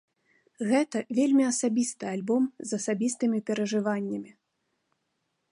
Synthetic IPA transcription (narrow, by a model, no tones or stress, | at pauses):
ɣɛt̪ɐvʲelʲmʲiɐsabʲist̪ɨalʲbɔmzɐsabʲist̪ɨmʲipʲɛɾɐʐɨvanʲːɐmʲi